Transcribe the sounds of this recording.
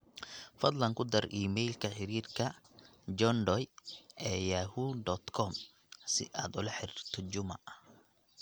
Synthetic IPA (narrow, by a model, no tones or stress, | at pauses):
fɐd̪lɐŋkʰʊd̪ɐrʔiːmɛjlkʰɐħɪɾiːrkʰɐd͡ʒɔnɖ̪ɔjʔɛːjahuːd̪ɔd̪kʰɔm | sɪʔaːd̪ʊlɐħɪɾir̥t̪ʰɔd͡ʒʊmɐɐ